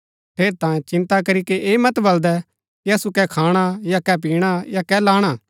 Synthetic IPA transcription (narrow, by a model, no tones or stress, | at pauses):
pʰeːɾt̪ãːjẽt͡ʃɪ̃nt̪akɐɾikeʔeːmɐt̪bɐld̪ɛ | kiɐsukɛkʰaːɽ̃ajakɛp̬iːɽ̃ajakɛlaːɽ̃aː